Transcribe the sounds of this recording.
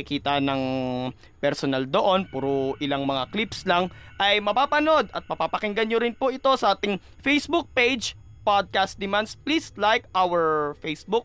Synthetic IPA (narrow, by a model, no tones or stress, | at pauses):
ɪkiːt̪ɐnɐŋ | pɛɾsonɐld̪oʔo̞npuːɾoʔɪlaŋmɐŋaklipslɐŋ | ʔɐjmɐpaːpɐno̞d̪ɐt̪̚mɐpapɐkɪŋɡɐnɲoɾɪnpoʔɪt̪o̞sɐʔaːt̪ɪŋ | fejsbuk̚pejd͡ʒ | pad̪̚kast̪̚d̪ɪmansplislajkʔawɛɹfejsbʊk̚